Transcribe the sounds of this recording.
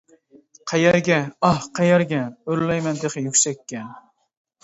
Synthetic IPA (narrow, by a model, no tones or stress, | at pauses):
qʰɑjɛɾɡʲɛɑhqʰɑjɛɾɡʲɛøɾlɛjmɛnd̪eqɨjykʲsɛkʲːɛ